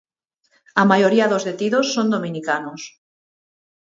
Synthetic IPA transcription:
amajoɾiaðozðet̪iðosːond̪omĩnikanos

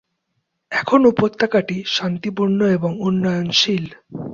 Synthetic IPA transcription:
ɛkʰonupot̪ʰːakaʈiʃant̪ipuɾnoeboŋunːɔjonʃil

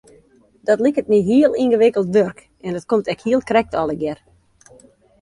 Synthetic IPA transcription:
d̥ɔtlɪkət̚niɦiəlˠinɣəʋɪkəlˠtʋørk | ɛndɔtkomtɛkhiəlˠkrɛk̚tɔlˠəɡjɛr

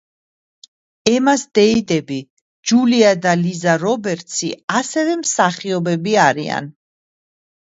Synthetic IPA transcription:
ɛmasd̪ɛid̪ɛbi | d͡ʒuliad̪alizaɾɔbɛɾt̪sʰḭasɛvɛmsaχiɔbɛbiaɾia̰n

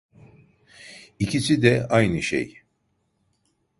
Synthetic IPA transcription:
icʰisid̪ɛajnɯʃḛj

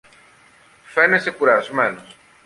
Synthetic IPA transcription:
fenesekuɾaɾsmenos

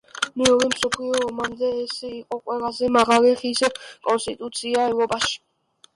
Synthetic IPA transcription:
nɛɔɾimsɔpʰliɔːmamd̪ɛːsiqʼɔkʼwɛlˠazɛmaʁaliχiskʼɔnst̪ʼit̪ʼut̪sʰiaɛvɾɔpʼaʃi̥

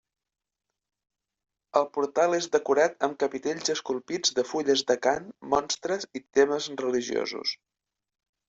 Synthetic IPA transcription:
əlˠpuɾt̪alˠezðəkuɾat̪əmkəpit̪eʎʲzəskulˠpid͡zðəfuʎəzðəkanmːɔnst̪ɾəzit̪eməzrəliʒio̰zṵs

